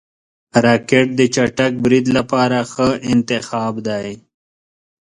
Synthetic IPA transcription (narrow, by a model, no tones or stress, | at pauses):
ɾaːkeʈ̚d̪ət͡ʃaʈɐk̚bɾid̪lapaːɾaxəɪnt̪ɪxɑːbd̪aj